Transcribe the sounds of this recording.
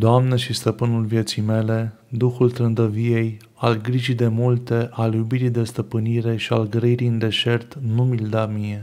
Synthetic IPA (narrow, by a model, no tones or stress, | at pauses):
d̪oamneʃist̪əpɨnulvje̞t̪sijme̞le̞ | d̪uxult̪ɾɨnd̪əvije̞j | alɡɾiʒijd̪e̞mult̪e̞ʔaljubiɾijd̪e̞st̪əpɨniɾe̞ʃialɡɾəiɾijɨnd̪e̞ʃe̞rt̪numild̪amije̞